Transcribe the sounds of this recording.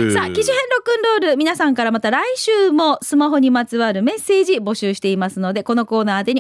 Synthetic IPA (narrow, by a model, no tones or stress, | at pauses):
sakʲiʑihẽ̞nɾo̞kɯ̟̃nɾo̞ːɾɯ̟mʲinasãŋkaɾamat̪aɾaiɕɨːmo̞sɨmaɦo̞ɲ̟imat͡sɨβaɾɯ̟me̞se̞ːʑibo̞ɕɨːɕi̥t̪e̞imasɨno̞d̪e̞ko̞no̞ko̞ːnaːt̪eɲ̟i